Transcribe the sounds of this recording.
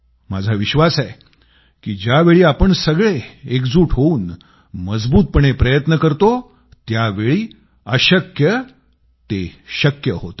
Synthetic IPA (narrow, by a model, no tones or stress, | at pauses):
mad͡zʱaʋiɕʋasaj | kiːd͡ʑjaʋeɭiːapəɳsəɡɭeekd͡zuːʈʰɦouːn | məd͡zbuːt̪̚pəɳ̃epɾəjət̪nəkəɾt̪o | t̪jaʋeɭiː | əɕəkjə | t̪eɕəkjəɦot̪ə